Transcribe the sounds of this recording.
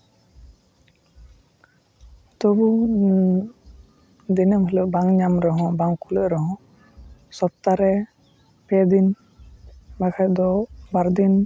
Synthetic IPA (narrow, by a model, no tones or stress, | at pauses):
t̪ɔbu | d̪inəmələʔbaŋɲamɾɔɦɔ̃baŋkuləʔɾɔɦɔ̃ | sɔp̚t̪aɾɛ | pɛd̪in | makʰad̪ɔbaɾd̪in